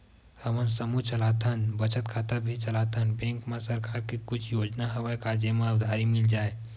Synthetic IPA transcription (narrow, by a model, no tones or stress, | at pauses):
həmənsəmut͡ʃəlat̪ʰənbət͡ʃət̪̚kʰat̪əbʱit͡ʃəlat̪ʰənbẽŋkmesəɾkaɾkekut͡ʃʰjod͡ʒnaɦəbəkad͡ʒemãud̪ʱaɾimild͡ʒae